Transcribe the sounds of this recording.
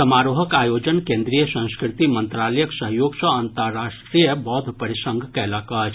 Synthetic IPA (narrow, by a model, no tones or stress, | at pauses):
sɐmaːɾuːɦəkaːjoːd͡ʒənkẽnd̪ɾijəsə̃nskɾɪt̪imə̃nt̪ɾaːləjəksɐɦjoːɡsəənt̪əɾːaːʃʈɾijəbɔːd̪ʱpəɾɪʃə̃ŋɡʱkɛlakaːd͡ʒ